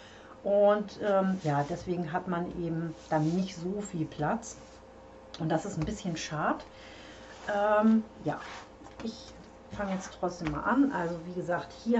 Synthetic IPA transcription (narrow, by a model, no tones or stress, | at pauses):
ʔʊntʔɛːmjaːdɛsv̥eːɡŋ̩ɦatmanʔeːbm̩d̥anːɪçtz̥oːfiːlpʰl̥at͡s | ʔʊntd̥asɪstn̩bɪsçənʃaɐt | ʔɛmjaː | ʔɪç | faŋəjɛt͡stʁ̥ɔt͡sd̥eːmːa̰ːlʔanʔalzoviːɡəzaːkthiːɐ